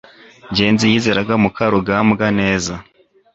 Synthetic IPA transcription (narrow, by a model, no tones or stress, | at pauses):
ɲɟe̞ːnzijiːzeɾaɡamukaɾoɡamɡane̞ːza